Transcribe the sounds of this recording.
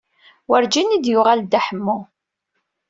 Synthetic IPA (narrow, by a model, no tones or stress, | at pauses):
wəɾd͡ʒinid̪jʊʁald̪aħəmːu